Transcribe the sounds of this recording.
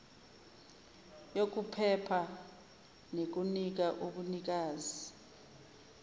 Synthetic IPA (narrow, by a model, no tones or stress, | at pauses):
jok̬upʰɛpʰa | nek̬unik̬aʔuɓunik̬aːzi